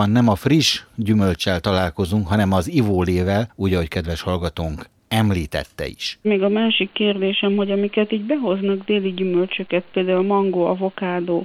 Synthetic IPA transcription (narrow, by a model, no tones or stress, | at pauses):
ɒnːɛmɒfriʃɟymø̞lt͡ʃɛlt̪ɒlaːlko̞zuŋkɦɒnɛmɒzivoːleːvɛluːɟɒɦo̞ckɛd̪ʋɛʃhɒlɡɒt̪oːŋk | ɛmliːt̪ɛ̰t̪ːɛ̰ḭʃmeːɡɒmaːʃikːeːrd̪eːʃɛmɦo̞ɟɒmikɛt̪iːɟbɛɦoznɒɡd̪eːliɟymølt͡ʃøkɛt̪̚peːld̪aːulmɒŋɡoːɒ̰vo̞kaːd̪oː